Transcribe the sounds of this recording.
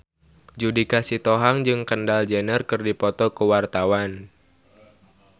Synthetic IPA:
d͡ʒudikasit̪ɔɦaŋd͡ʒɨŋkəndald͡ʒənərkɨrdipɔt̪ɔkəwart̪awan

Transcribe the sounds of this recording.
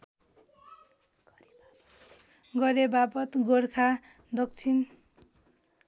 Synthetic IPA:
ɡʌɾebapʌt̪ɡorkʰa | d̪ʌkt͡sʰin

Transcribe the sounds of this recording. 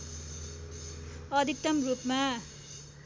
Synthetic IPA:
ʌd̪ʱik̚t̪ʌmrupma

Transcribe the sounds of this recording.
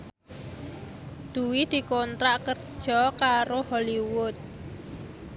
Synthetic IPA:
d̪̥ṳwid̪̥i̤kont̪ɾaʔkərd̥ʒ̥ɔkaɾoholiwʊt̪̚

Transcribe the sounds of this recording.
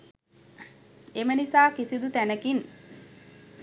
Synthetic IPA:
emənisaːkisid̪ut̪ænəkin

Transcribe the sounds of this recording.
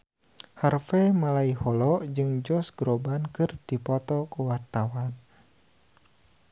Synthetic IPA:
harfɛmalaihɔlɔd͡ʒɨŋd͡ʒɔsɡ̥ɾɔbankɨrd̥ipɔt̪ɔkuwart̪awan

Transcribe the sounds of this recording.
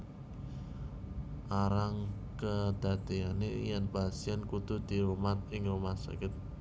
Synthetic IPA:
ʔaɾaŋ | kəd̪̥a̤d̪̥eanejɛnpasiɛnkut̪ṳd̪̥i̤ɾumat̪̚ɪŋɾumat̪sa̰kɪt̪̚

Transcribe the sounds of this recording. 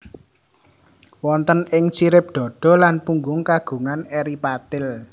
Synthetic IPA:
wɔnt̪ənɪŋt͡ʃiɾɪp̚d̪̥ɔ̤ɖ̥ɔ̤lanpuŋɡʊŋkaɡ̥ṳŋanɛɾipat̪ɪl

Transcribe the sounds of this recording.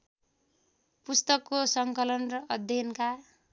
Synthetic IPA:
pust̪ʌkːosʌŋkʌlʌnrʌʌd̪ʱjʌnka

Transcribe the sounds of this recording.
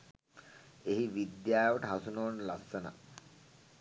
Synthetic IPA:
eɦiʋid̪jaːjʋoʈəɦasunoːnlasːəna̰

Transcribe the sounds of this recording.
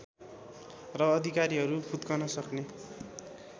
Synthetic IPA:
rʌːd̪ʱikaɾiɦʌɾubʰʱut̪kʌnʌsʌkne

